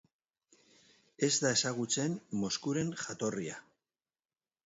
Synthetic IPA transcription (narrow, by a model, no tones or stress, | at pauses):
e̞zd̪ae̞saɣ̞ut͡se̞nːo̞skuɾe̞nxat̪o̞ria̰